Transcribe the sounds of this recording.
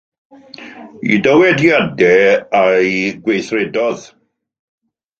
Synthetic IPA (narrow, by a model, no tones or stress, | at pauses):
ḭdəwɛdjadɛajɡwejθrɛdɔð